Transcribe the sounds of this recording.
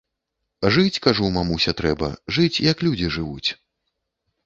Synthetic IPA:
ʐɨt͡sʲkaʐumamusʲɛt̪ɾɛbɐ̰ʐɨt͡sʲjɐklʲud͡zʲiʐɨvut͡sʲ

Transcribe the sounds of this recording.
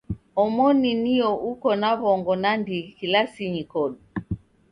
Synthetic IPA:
ɔmɔniniɔʔukɔnaβɔŋɡɔnandikilasiɲikɔɗu

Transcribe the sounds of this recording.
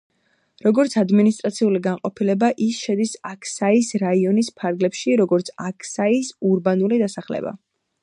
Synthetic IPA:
ɾɔɡɔɾt̪sʰad̪minist̪ʼɾat̪sʰiuliɡanqʼɔpʰilɛbaʔisʃɛd̪isakʰsaisɾaiɔnispʰaɾɡlɛpʃiɾɔɡɔɾt̪sʰakʰsaisuɾbanulid̪asaχlɛ̰ba̰

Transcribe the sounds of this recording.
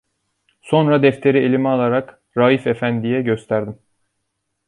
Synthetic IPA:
so̞nɾad̪ɛft̪ʰe̞ɾielʲimɛalˠaɾak | ɾaːjifefænd̪ijɛɟøst̪ʰæɾd̪im

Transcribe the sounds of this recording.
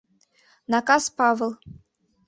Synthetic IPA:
nakaspavlˠ

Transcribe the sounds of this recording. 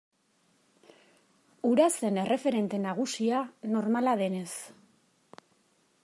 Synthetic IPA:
uɾase̞ne̞refe̞ɾe̞nt̪e̞naɣ̞usiano̞ɾmalað̞e̞ne̞s

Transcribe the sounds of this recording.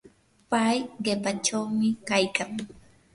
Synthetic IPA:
pajɢepat͡ʃawmɪkajkaŋ

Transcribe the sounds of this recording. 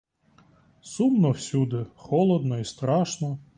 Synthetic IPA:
sumnɔwsʲud̪ɪxɔlˠɔd̪nɔist̪ɾɑʃnɔ

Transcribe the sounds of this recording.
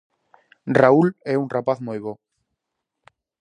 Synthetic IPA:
rauleunrapaθmujβo

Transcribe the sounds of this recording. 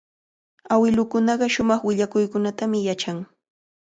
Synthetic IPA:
awɪlʊkʊnɑɢɑʃʊmɑχwɪʎakʊjkʊnat̪amɪjat͡ʃaŋ

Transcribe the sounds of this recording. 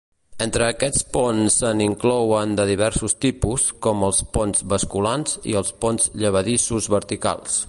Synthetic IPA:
ent̪ɾəːkɛt͡spɔnsːəniŋklɔwənd̪əðiβɛɾsust̪ipuskɔməlˠspɔnzβəskulanzḭəlˠspɔnzʎəβ̞əðisuzβəɾt̪ika̰lˠs

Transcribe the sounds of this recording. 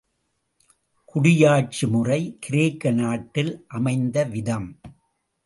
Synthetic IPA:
kʊɽɪjaːʈ̚t͡ʃɯmʊrɐɪkɪɾeːkːɐnaːʈːɪlʔɐmɐɪnd̪ɐʋɪðɐm

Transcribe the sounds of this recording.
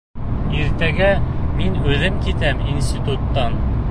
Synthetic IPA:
iɾt̪æɡæminʉðɘmkit̪æminsʲt̪ʲit̪ut̪ːɑn

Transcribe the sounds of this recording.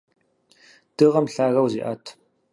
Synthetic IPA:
d̥ɨʁɐmɬaːɣɐwzḭʔa̰ːtʰ

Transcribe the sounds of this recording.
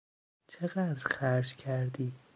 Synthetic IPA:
t͡ʃʰeɢæd̪ɾχæɾd͡ʒkʰæɾd̪iː

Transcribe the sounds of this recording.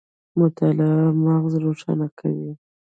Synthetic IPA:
mʊt̪ʰɑlɪamɑɣzɾoʂɑ̰nakʰa̰wi

